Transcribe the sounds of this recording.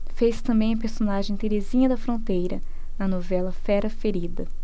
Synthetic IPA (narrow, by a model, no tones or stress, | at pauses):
fest̪ɐ̃mbẽj̃ɐpeɾsonaʒẽj̃t̪eɾezĩɲɐd̪ɐfɾõnt̪ejɾɐ | nɐnovɛlɐfɛɾɐfeɾid̪ɐ